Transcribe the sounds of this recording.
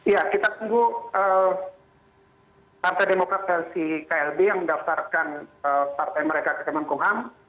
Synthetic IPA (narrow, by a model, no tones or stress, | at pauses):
ijakit̪at̪uŋɡuʔə | part̪ajdemokɾat̪̚ɛlsikaɛlbejaŋmədaft̪arkanəpart̪ajməɾekakəkəmankuŋɦam